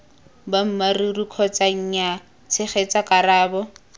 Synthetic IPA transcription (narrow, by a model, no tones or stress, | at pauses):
bam̩marirukʰɔt͡sʼaŋ̩ɲa | t͡sʰɪχet͡sakʼaraːbɔ